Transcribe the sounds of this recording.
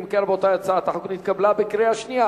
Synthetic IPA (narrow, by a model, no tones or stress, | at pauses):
mkeɾbot̪ajat͡saat̪aħuknit̪kablabekɾeaʃnija